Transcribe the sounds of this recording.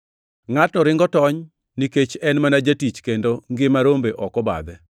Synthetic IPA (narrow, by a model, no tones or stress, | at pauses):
ŋatnɔɾɪŋɡɔtɔɲ | niket͡ʃɛnmanad͡ʒatit͡ʃkendoŋɡɪmaɾombeʔɔkɔba̰d̪ɛ